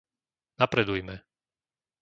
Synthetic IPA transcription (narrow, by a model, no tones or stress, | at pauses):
napɾɛd̪ujmɛ